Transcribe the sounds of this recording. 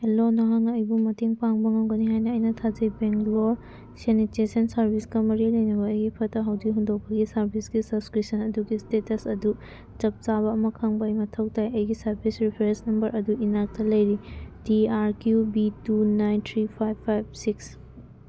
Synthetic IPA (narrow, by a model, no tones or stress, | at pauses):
elonɐɦaŋɐjbumɐteŋpaŋbɐŋawɡɐniɦajnɐːjnɐtʰad͡ʒɐjbeŋkloɾ | senitesɐnsɐɾbʱiskɐmɐɾilɐjnɐbɐːjɡipʰɐtɐɦɐwdiɦundok̚pɐɡisɐɾbʱisɡisɐbskɾisɐnɐduɡistetɐsɐdu | t͡ʃɐp̚t͡ʃaβɐːmɐkʰaŋbɐjmɐtʰɐw̚tajɐjɡisɐɾbʰʱisɾipʰeɾensnɐmbɐɾʔɐduinak̚tɐlɐjɾidiaɾkjubitunajnt̪ʰɾipʰajbʰːajb̚siks